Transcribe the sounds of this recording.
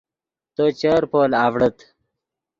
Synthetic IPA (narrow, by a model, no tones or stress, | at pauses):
t̪ot͡ɕəɾpoːlaːvɽət̪